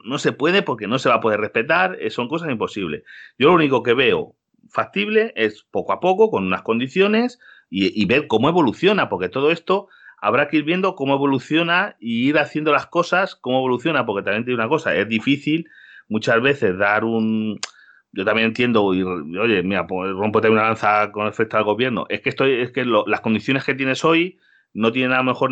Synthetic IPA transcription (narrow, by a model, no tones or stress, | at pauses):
no̞se̞pwe̞ðe̞po̞ɾke̞no̞se̞βapo̞ð̞e̞respe̞t̪aɾeso̞ŋko̞sasimpo̞siβle̞̰sɟ͡ʝolouniko̞ke̞βe̞o̞̰ | fak̚t̪iβle̞ʔespo̞koapo̞ko̞ko̞nunasko̞nd̪iθjo̞ne̞s | iiβe̞ɾko̞moeβo̞luθjo̞napo̞ɾke̞t̪o̞ðo̞e̞st̪o̞ | a̰βɾakeiɾβje̞nd̪o̞ko̞moe̞βo̞luθjo̞naiiɾaθje̞nd̪o̞lasko̞sasko̞moe̞β̞o̞luθjo̞nap̬o̞ɾke̞t̪amjenejunako̞sa̰e̞zðifiθil | mut͡ʃazβe̞θe̞zðaɾun | ɟ͡ʝo̞t̪amje̞ne̞nt̪je̞nd̪o̞iro̞ʝe̞miɾaporo̞mpot̪eajunalan̟θako̞nefet̪aelɣo̞βje̞ɾno̞̰ʔe̞skeest̪oeskelolasko̞nd̪iθjo̞ne̞ske̞t̪̬je̞ne̞so̞j | no̞t̪̬jenenaome̞xo̞ɾ